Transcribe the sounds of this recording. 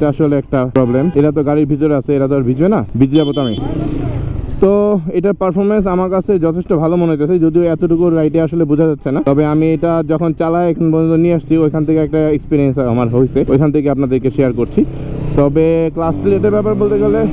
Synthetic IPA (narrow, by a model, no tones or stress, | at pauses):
ʈaaʃoleɛk̚ʈapɾɔblemeʈat̪̬oɡaɾiɾbʱit̪oɾeat͡ɕʰeeʈat̪oɾbʱid͡ʑbenabʱid͡ʑd͡ʑabot̪oamḭ | t̪oeʈaɾpaɾfʰoɾmens̬amaɾkat͡ɕʰed͡ʑɔt̪ʰeʃʈobʱalomoneot̪et͡ɕʰad͡ʑod̪ioɛt̪oʈukuɾːajʈeaʃolebud͡ʑʱad͡ʑatːɕʰenat̪ɔbeamieʈad͡ʑɔkʰont͡ɕalaeekʰanpɔont̪onieaʃt͡ɕʰiojkʰanet̪ʰekeɛk̚ʈaekspiɾiensa̰maɾɦojsʰeojkʰanet̪ʰekeapnad̪eɾkeʃeaɾkoɾt͡ɕʰit̪ɔbeklaspileʈeɾbɛpaɾbolt̪eɡɛle